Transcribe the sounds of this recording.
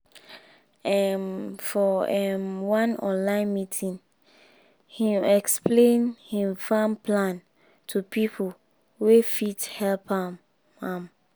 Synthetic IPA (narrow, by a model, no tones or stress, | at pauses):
ɛmfɔɛmwãnɔ̰̃nlãɪ̃nmitʰĩn | hĩɛksplẽnhĩmfãmpʰlãn | tʰupʰipʰo | wefithɛlpʰam | ãm